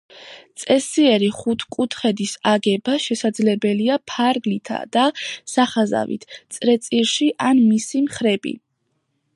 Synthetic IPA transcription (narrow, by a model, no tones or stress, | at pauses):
t̪sʼɛsiɛɾiχut̪ʰkʼut̪ʰχɛd̪isaɡɛbaʃɛsad̪zlɛbɛliapʰaɾɡlit̪ʰa̰d̪̥asaχaza̰vḭt̪ʰt̪sʼɾɛt̪sʼiɾʃiʔanmisimχɾɛbḭ